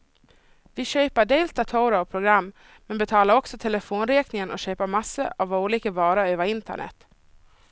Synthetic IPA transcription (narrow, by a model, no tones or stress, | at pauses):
vɪɕøːpaɖejlt̪at̪ʰowɾaɔpʰɾʊɡɾamː | mɛnbɛt̪ʰɑːlaɾɔksɔt̪ʰɛləfoːnɾeːknɪŋənʔɔ̰ɕøːpaɾmasːə̰ʔavauːliːkəvɑːɾaøːvəɾɪnt̪ə̰ɳɛ̰t̪ː